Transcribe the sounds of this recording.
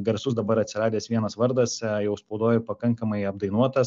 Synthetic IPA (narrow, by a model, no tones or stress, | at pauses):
ɡɐɾsʊsd̪ɐbɐɾɐt̪ʲsʲɪɾɑːd̪ʲeːsʋʲiɛnɐsʋɐɾd̪ɐsjɛʊsppɐʊd̪oːjʊpɐkɐŋkɐmɐɪɐb̚d̪ɐɪnuɔt̪ɐ